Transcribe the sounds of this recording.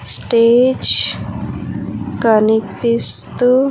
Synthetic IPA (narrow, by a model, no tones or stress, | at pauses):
sʈeːd͡ʒ | kɐnipist̪u